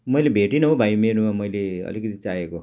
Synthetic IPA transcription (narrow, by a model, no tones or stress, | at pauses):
mʌjlebʱeʈinʌɦobʱajmeɾomamʌjleʌ̰likʌt̪it͡sajeko